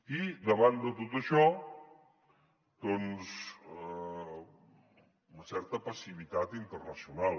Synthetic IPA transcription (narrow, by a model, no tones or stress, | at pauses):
iðəβand̪ət̪ot̪əʃɔ | d̪̥ɔnz | unəsɛɾt̪əpəsiβ̞it̪at̪int̪ərnəsiunalˠ